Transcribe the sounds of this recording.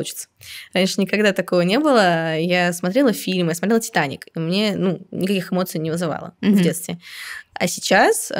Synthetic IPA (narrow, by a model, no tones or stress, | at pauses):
ut͡ɕɪ̥t̪səɾanʲʂɨnʲɪkɐɡd̪at̪ɐkovənʲe̞bɨlˠəjasmɐt̪ɾʲelˠəfʲilʲmjasmɐt̪ɾʲelˠətʲɪ̥t̪anʲɪ̰kimnʲe̞nunʲɪkɐkʲixɨmo̞t̪sɨjnʲɪvɨzɨva̰lˠə̰vdʲe̞t̪st̪vʲɪɐ̰sʲɪt͡ɕas